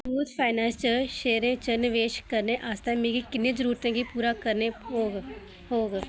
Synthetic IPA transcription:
uːt̪pʰaːɪnɛ̃ːnst͡ʃəʃeːɾẽːt͡ʃənɪʋeːʃkəɾnẽʔaːst̪ẽːmẽːɡikɪnːẽːzəɾuːɾt̪ẽːkipuːɾaːkəɾneoːɡ | ɦoːɡ

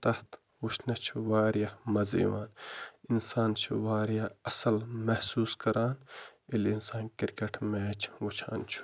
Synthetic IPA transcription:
t̪ɐht̪ | wuʃʰnɐt͡ʃʰiʋaːɾjamɐzḭːʋa̰ːninsaːnt͡ʃʰuʋaːɾjaːɐsɐlmɐhsuːskɐɾaːnilinsaːnkiɾkeʈʰmeːt͡ʃʰʋut͡ʃʰa̰ːnt͡ʃʰu̥

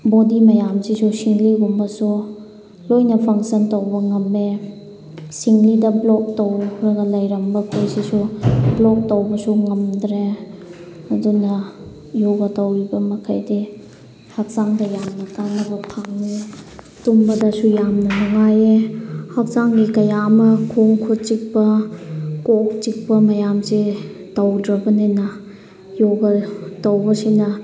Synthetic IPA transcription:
bodimɐjamsisusiŋliɡumbɐsu | lojnɐpʰɐŋsɐntowbɐŋɐme | siŋlidɐblɔk̚tɐwɾɐɡɐlɐjɾɐmbɐkʰojsisublɔk̚tɐwbɐsuŋɐmdɾe | ɐdunɐ | joɡɐtɐwibɐmɐkʰajdi | hak̚saŋdɐjamnɐkanɐbɐpʰaŋni | tumbɐdɐsujamnɐnɐŋajehɐk̚zaŋɡikɐjamɐkʰoŋkʰot͡ʃik̚pɐ | kok̚t͡ʃik̚pɐmɐjamse | tawdɾɐbɐnenɐ | joɡɐtawbɐsinɐ

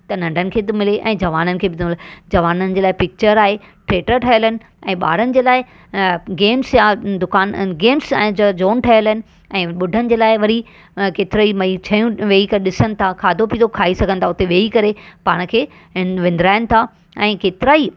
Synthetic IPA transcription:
t̪ɐnɐ̃ɳɖʱənɪ̆kʰeːt̪mɪleʔɛ̃ːd͡ʑɐʋaːnənɪ̆kʰeːɓɪnd̪ld͡ʑɐʋaːnənɪ̆d͡ʑeːlaːɪpɪk̚t͡ɕəɾaːɦe | ʈɾeːʈəɾʈʰɐjəlɪnɪ̆ | ɛ̃ːɓa̰ːɾənɪ̆d͡ʑeːlaːɪ | ɡeːmsjad̪ʊkaːnɡeːmsɛ̃d͡ʑd͡ʑoːnʈʰɐjəlɦɪnɪ̆ | ɛ̃ːɓʊɖʱənɪ̆d͡ʑeːlaːɪʋɐɾi | keːt̪ɪɾaːimɐit͡ɕʰɐjũʋeːikɐɗɪsənɪ̆t̪ʰakʰaːd̪ʱopiːt̪okʰaːisɐɡʱə̃nt̪ʰaʊt̪eʋeːikɐɾepaːɽ̃̆kʰeː | ʋɪ̃nd̪ɾaːɪnɪ̆t̪ʰa | ɛ̃ːkeːt̪ɪɾaːi

